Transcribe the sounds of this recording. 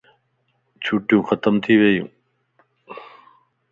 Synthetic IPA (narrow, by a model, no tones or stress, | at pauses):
t͡ɕʰuʈjũːxət̪əmt̪ʰiʋejṵ̃ː